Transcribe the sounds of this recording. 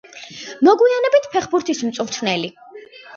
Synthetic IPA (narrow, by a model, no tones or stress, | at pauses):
nɔɡujanɛbit̪ʰpʰɛχbuɾt̪ʰismt̪sʼuɾt̪ʰnɛli